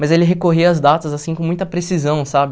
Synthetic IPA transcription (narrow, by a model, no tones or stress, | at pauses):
mɐzelɪɦekoɦiɐzd̪at̪ɐzasĩkõmũj̃t̪ɐpɾesizɐ̃w̃sabɪ